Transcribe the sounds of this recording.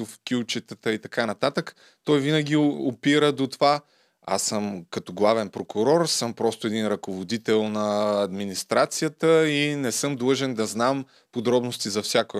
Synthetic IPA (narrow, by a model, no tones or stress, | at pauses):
ofkʲut͡ʃɛt̪ət̪əit̪ɐkanɐt̪at̪ək | t̪ɔjvinəɡ̟ʲiopiɾəd̪ot̪ova | a̰sːəmkɐt̪oɡlˠavɛnpɾokʊɾɔɾsɤmpɾɔst̪ʊɛd̪inɾɐkovod̪it̪ɛlˠnɐːd̪minist̪ɾat̪sijət̪əinɛsɤmd̪lˠɤʒɛnd̪ɐznam | pod̪ɾɔbnost̪izɐfsʲjako